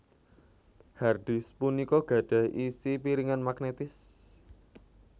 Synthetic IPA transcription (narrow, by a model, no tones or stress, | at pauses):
harɖ̥i̤spunikɔɡ̥ä̤ɖ̥ä̤hisipiɾiŋanmaɡnet̪ɪs